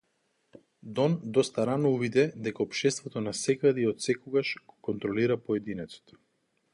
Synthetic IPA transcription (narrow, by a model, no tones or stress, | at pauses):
d̪ɔnd̪ɔst̪aɾanɔuvid̪ɛd̪ɛkaɔpʃt̪ɛst̪vɔt̪ɔnasɛɡad̪iɔt̪sɛkoɔɡaʃɡ̥okɔnt̪ɾɔliɾapɔɛd̪inɛt̪so̥t̪ɔ̥